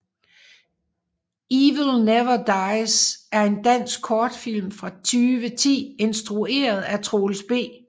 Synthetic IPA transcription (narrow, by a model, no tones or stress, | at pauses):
iːʋəl̩neʋɐd̥ɑɪsæɐe̝nd̥æn̰sɡ̥̚kʰɒːd̥fil̰mfʁɑ̈t͡sʰyːʋət͡sʰḭːe̝nsd̥ʁue̝̰ːɐð̩ˠæt͡sʰʁolsb̥e̝̰ː